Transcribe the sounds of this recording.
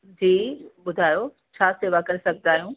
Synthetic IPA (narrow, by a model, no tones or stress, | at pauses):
d͡ʑiːɓʊd̪ʱaːjo | t͡ɕʰaːseːʋakɐɾɪsɐɡ̚ʱt̪aːɦijũː